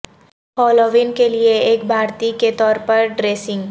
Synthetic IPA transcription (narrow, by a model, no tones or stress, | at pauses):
hɔːloːʋɪnkelieeːkbʱaːɾt̪iket̪ɔːɾpɐɾɖɾeːsɪ̃ŋɡ